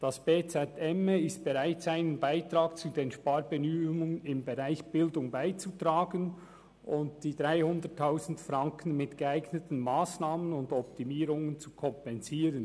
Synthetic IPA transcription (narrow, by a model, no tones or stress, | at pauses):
d̥ɑsb̥eːt͡sɛtɛməɪst̚b̥ɛʁaɪtz̥aɪnənbaɪtʁaːk̚t͡sudeːnʃpaɾbənyːʊŋənɪmbɛʁaɪçb̥ɪldʊŋbaɪt͡sutʁaːɡən | ʔʊntd̥iːdʁaɪhʊndətʰːaʊzn̩tfrʁaŋkənmɪtɡ̥eaɪɡnətən̩maːsnaːmənʊndɔp̚timiːɾʊŋənt͡sukʰɔmpɛnziːɾən